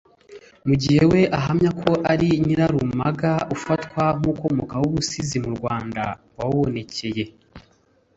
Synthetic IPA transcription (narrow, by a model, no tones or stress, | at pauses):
muɟihe̞we̞ʔaɦamɲakʰo̞ʔaɾiniɾaɾumaɡaufatkwamuko̞mokawuβusizimuɾɡwaːnda̰ɡwawone̞ce̞je̞